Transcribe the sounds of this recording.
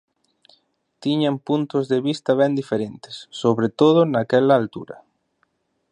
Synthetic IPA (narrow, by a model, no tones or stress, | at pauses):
t̪iɲampunt̪ozðeβist̪ɐβɛnd̪ifeɾent̪e̥sːoβɾet̪oð̞ʊnakɛlaːlt̪ṵɾɐ̰